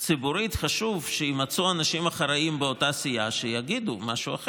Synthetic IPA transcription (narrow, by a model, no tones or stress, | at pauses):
t͡sibuɾit̪χaʃuvʃeimat͡suanaʃimaχaɾaimbeo̞tasijaʃejaɡid̪umaʃuaχe